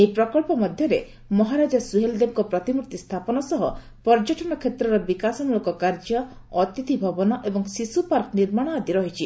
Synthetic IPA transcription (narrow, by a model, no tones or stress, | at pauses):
eipɾɔkɔɭpɔmɔd̪ʱjɔɾe | mɔɦaɾad͡ʒasuɦeld̪eb̚kɔpɾɔt̪imuɾt̪ist̪ʰapɔnɔsɔɦɔ | pɔɾd͡ʒɔʈɔnɔkʰet̪ɾɔɾɔbikasɔmuɭɔkɔkaɾd͡ʒɔ | ɔt̪it̪ʰibʱɔbɔnɔʔebɔŋsisupaɾkniɾmaɽ̃ɔad̪iɾɔɦit͡ʃʰi